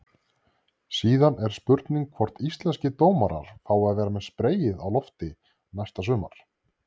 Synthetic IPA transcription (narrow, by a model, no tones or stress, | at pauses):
siːðanɛɾ̥spʏɾt̪niŋkʰvɔɾ̥t̪ist̪lɛnscɪt̪oːwmaɾa̰ɾ̥θaːwaðvɛːɾamɛðspɾeːjɪðawlɔft̪ɪ | najst̪asʏːma̰ɾ̥